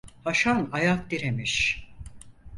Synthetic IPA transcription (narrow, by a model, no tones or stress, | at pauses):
haʃanajak̚d̪iɾemiʃ